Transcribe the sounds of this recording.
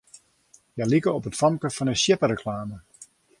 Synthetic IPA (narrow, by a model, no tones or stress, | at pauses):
jajlikəɔpətfɑmkəfɔnəsjɪpəɾəkʰlaːmə